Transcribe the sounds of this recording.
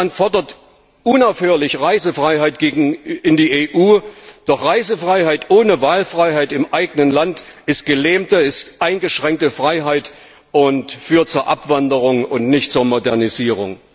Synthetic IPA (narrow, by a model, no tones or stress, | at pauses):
antfɔɐdɐt | ʔʊnaʊfhøːɐlɪçʁaɪzəfʁ̥aɪɦaɪtɡ̥eːɡŋ̩ɪndiːʔeːʔuːd̥ɔχʁaɪzəfʁ̥aɪɦaɪtʔoːnəvaːlfʁ̥aɪɦaɪtɪmʔaɪɡənənlantɪst̚ɡ̥əlɛːmtəɪstʔaɪnɡəʃʁ̥ɛŋk̚təfʁ̥aɪɦaɪt | ʔʊntfyːɐt̚t͡suːɐʔa̰pv̥andəʁʊŋʊntnɪçtt͡suːɐmodɛɐniziːʁʊ̰ŋ